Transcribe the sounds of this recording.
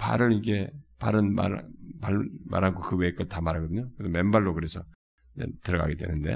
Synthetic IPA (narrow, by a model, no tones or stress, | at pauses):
pa̰ɾɯɾiɡe̞paɾɯnma̰ɾpama̰ɾɦankʰokɯwek͈ɯɭtamaɾaɡʌdɯɲokɯesʰome̞mbaɭːokɯɾe̞sʰʌ | id͡ʑḛtɯɾʌɡa̰ɡedwe̞̰nɯnde̞̰